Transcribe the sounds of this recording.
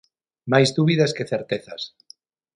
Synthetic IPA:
majzd̪uβiðaskeθeɾt̪eθa̰s

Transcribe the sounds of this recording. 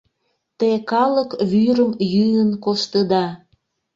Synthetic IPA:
t̪ekɑləkβyɾəmjyjənkoʃt̪əd̪ɑ

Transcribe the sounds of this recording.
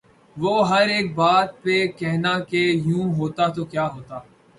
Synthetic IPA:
ʋoːɦɐɾeːk̚baːt̪̚pekɛɦnaːkejũːɦoːt̪at̪oːkjaːɦoːt̪aː

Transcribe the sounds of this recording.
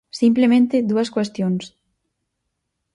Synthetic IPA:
simplemẽnt̪ɪðuɐskwest̪joŋs

